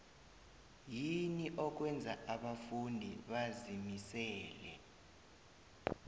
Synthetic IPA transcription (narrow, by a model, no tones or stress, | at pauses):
jiniʔɔk̬wɛnd͡zʱaaɓafundʱḭɓazimisɛːlɛ̰